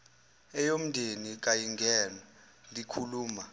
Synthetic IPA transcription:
ɛjom̩dʱenik̬ajiŋɡʱɛːna | likʰuluːma

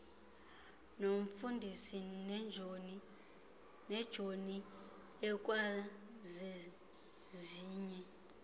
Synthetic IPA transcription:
noɱfundʱisind͡ʒʱ | nɛd̥ʒ̥ʱoni | ɛk̬ʼwala | ze | ziːɲɛ

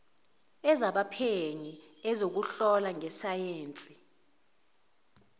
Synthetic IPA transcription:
ɛzaɓapʰeɲiɛzok̬uɬɔlaŋɛsajeːnt͡sʼi

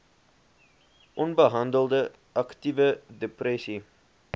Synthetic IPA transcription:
ʔɔnbəɦɑndəlˠdə | ʔɑktivədeprɛsi

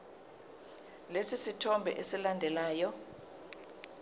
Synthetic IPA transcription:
lesisitʰɔmbʱɛ̰ʔesilandʱɛlaːjɔ

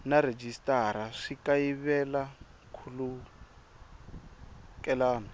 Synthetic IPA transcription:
naɾed͡ʒistʼaɾaʂikaiβɛla | kʰulu | kʼɛlaːnɔ

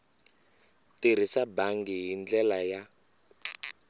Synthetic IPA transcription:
tiɾ̤isabaŋɡiɦind͡ɮɛlaja

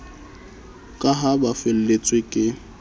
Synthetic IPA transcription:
kʼaɦabafɪl̩let͡sʼwekʼɪ

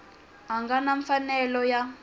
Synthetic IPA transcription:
ɦaŋɡanaɱfanɛlɔja

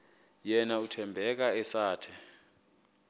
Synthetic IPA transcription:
jɛnautʰɛmbʱɛk̬aɛsaːtʰɛ

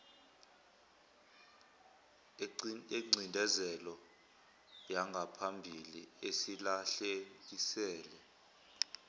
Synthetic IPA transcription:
eŋ͡ǀʱindʱɛzɛlɔ | jaŋɡʱapʰambʱiliesilaɬek̬isɛːlɛ

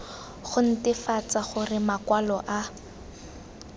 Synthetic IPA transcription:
χʊn̩tɪfat͡saχʊrɪmakwalɔʔa

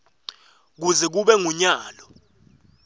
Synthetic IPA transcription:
k̬uzɛk̬uɓɛŋuɲaːlɔ

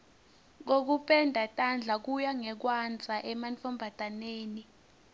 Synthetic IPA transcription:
k̬ok̬upʰʼɛndʱatʼand͡ɮʱak̬ujaŋɛk̬wand͡zʱaʔɛmant͡fʰʼɔmbʱad̥ʱaneːni

